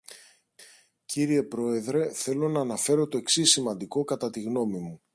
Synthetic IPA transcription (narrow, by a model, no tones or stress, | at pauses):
ciɾie̞pɾo̞e̞ðɾe̞θe̞lo̞nɐːnɐfe̞ɾo̞t̪o̞e̞ksisimɐnd̪iko̞kɐt̪ɐt̪iɣno̞mimu